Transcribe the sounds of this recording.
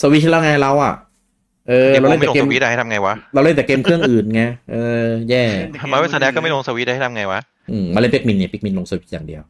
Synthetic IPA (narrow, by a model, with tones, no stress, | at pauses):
soː˧wi˦˥t̪̚lɛ˦˥˩wŋaː˧jla˦˥wʔa̰˨˩ | ʔɤː˧a˧ɾa˧wle˥˩ma˨ɛ˨lkːe˧˨˧m˧i˦˥da˧ha˥˩t̪ʰa˧mŋa˧jwa˦˥la˧wle˥˩t̪ɛ˨˩ke˧mkʰɯ˥˩əŋʔʔɯː˨˩nŋa˦˥ʔɤː˧jɛː˥˩maː˧˦we˧˥sa˧dɛː˦˥kɔ˥˩ma˥˩jlo˧ŋsaː˧wi˦˥da˥˩htʰa˧ŋa˧jwa˦˥ | ʔɯː˧˩maː˧le˥˩npi˦˥k̚mi˧nːi˥˩pi˦˥k̚mi˧nlo˧ŋsoː˧wi˦˥t̪̚jaː˨˩ŋdi˧əw